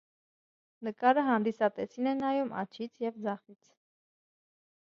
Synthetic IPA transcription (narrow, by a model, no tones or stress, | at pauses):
nəkɑɾəɦɑnd̪isɑt̪ɛt͡sʰinɛnɑjumɑ̰t͡ʃʰit͡sʰjɛvd͡zɑχit͡sʰ